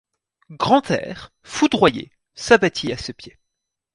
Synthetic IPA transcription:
ɡʁɑ̃t̪ɛ̰ːʁ | fud̪ʁwajḛ | sabat̪ʰiasəpje

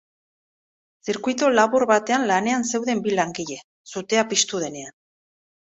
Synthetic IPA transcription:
siɾkujt̪olaβuɾβat̪e̞anlane̞anse̞wðe̞mbilaŋɡiʎe̞ | sut̪e̞apist̪uð̞e̞ne̞an

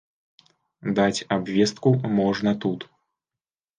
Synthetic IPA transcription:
d̪at͡sʲabvʲɛst̪̚kumɔʐnɐt̪ut̪

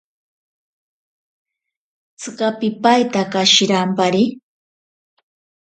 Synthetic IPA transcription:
t͡sɨɢapɪpajt̪akaʃɪɾampaɾɪ

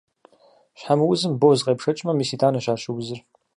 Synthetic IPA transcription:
ɕħamɨwʊzɨmboːzqʼeːpʂɐt͡ʃʼmɐmisiːtʰʼaːnɐɕaːʃɨɡʷʊzɨr

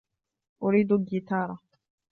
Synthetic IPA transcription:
ʔʊɾiːd̪ʊɡit̪ɑːɾˤɑ

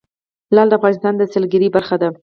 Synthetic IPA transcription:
lɑld̪əafɣɑnɪst̪ɑnd̪əsəlɡɪɾibaɾxad̪a

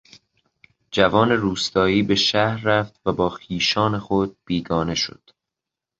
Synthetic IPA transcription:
d͡ʒævɒːne̞ɾuːst̪ɒːiːbe̞ʃæhɾːæft̪væbɒːxiːʃɒːne̞xod̪̥̚b̥iːɡɒːne̞ʃo̰d̪̥

